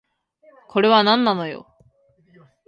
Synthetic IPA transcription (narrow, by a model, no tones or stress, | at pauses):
kʰo̞ɾe̞βanãnːano̞jo̰